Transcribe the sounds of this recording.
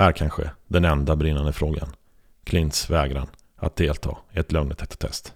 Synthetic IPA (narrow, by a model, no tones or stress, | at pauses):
æɾkʰanɧə̰d̪ɛnɛnd̪abɾɪnːand̪əfɾoːɡa̰n | kʰlɪnt̪svɛːɡɾan | a̰t̪̚d̪eːlt̪ʰɑ̰ːɪɛt̪lœŋnt̪ʰɛt̪ʰḁt̪ʰɛ̰st̪